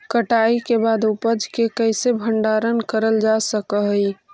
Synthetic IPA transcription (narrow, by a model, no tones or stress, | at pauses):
kəʈaikebad̪upəd͡ʒkekəjsebʱəɳɖaɾənkəɾəld͡ʒasəkəɦəj